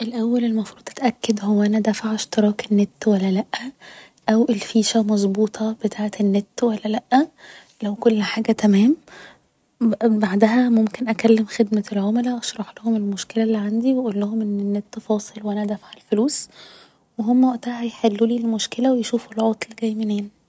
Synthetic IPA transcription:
ʔelʔæwːælelmɑfɾˤuːd̪ˤʔæ̥t̪ʔækːæd̪howːæʔænæd̪æfaʕeʃt̪eɾˤɑːkenːet̪ːwælːælæʔːæ | ʔæwʔelfiːʃæmɑzˤbuːt̪ˤʰɑb̥et̪ʰaːʕet̪enːet̪ːwælːælæʔːæ | læwkolːħaːɡæt̪æmæːm | baʕd̪æɦæmomkenʔækælːemxed̪mælʕomelæʔɑʃɾˤɑħlʊhomelmoʃkelælːiʕand̪iweʔuːlːohomʔenːenːet̪ːfɑːsˤelweʔænæd̪æfaʕelfoluːs | weɦomːæwæʔt̪ahæjħelːuːliːlmoʃkelæwejʃuːfulʕot̪ˤlɡæjmeneːn

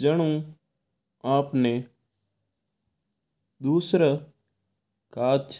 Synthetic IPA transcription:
d͡ʒəɽ̃ũː | aːpne | d̪uːsɾa | kaːtt͡ʃʰ

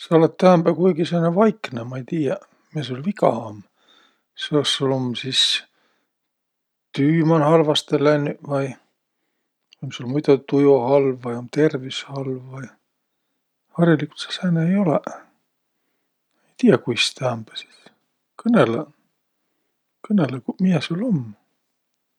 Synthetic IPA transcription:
sɑolet̪ːt̪æːmb̥ækujɡiseːnevɑjknemɑejt̪iːjɑ | mieseolʲvikɑ̰ɑm | seosːulomsis | t̪yːmɑnhɑlvɑst̪elænːyvɑj | omsuolmujt̪ɑt̪ujohɑlvːɑjomt̪ervishɑlvːɑj | hɑrjɑlikult̪se̥sæːneejolɛ | ejt̪iːɑkujst̪æmbæ̥si̥t̪ | kʰɤnele | kɤnelekumijesulom

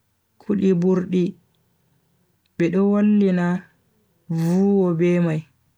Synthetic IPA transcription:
kʰuɗibuɾɗi | bɛɗɔwolːina | vuːwɔbɛmaj

